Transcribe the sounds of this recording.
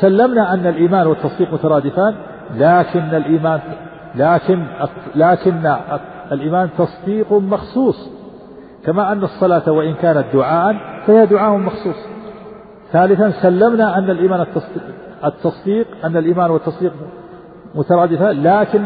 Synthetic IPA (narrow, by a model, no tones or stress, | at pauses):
salːamnaʔanːalʔiːmaːnwɪt̪ːɑsˤd̪iːqmʊt̪ɑɾˤɑːd̪ɪfaːn | laːkɪnːalʔiːmaːn | laːkɪnlaːkɪnːa | alʔiːmaːnt̪ɑsˤd̪iːqmɑxsˤuːsˤ | kamaʔanːsˤːɑlaːt̪awaʔɪnkaːnat̪̚d̪ʊʕaːʔanfahɪhad̪ʊʕaːʔmɑxsˤuːsˤ | θaːlɪθansalːamnaʔanːalʔiːmaːnt̪ːɑs | ɪt̪ːɑsˤd̪iːqʔanːalʔiːmaːnwɪt̪ːɑsˤd̪iːq | mʊt̪ɑɾˤɑːd̪ɪfaːlaːkɪn